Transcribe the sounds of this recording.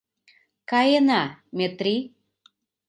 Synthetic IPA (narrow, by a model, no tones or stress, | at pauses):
kajenamet̪ɾi